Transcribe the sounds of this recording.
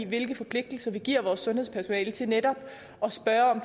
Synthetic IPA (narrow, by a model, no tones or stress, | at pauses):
ʋe̝lɡ̥əfɒ̽pʰle̝ɡ̥̚d̥l̩sɐʋiɡ̥iɐ̰ʋɒːsːɔ̽nheðˠspʰæɐso̝nɛːlət͡sʰe̝ned̥ɒ̽b̥ | ʔɒ̽sb̥ɶɐɒ̽m